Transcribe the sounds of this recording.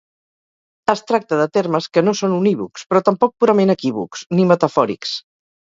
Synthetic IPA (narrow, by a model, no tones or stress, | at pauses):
əst̪ɾak̚t̪əðət̪erməskənosonuniβṵkspɾɔt̪əmpɔk̚puɾəmenəkiβṵksnimət̪əfɔɾḭks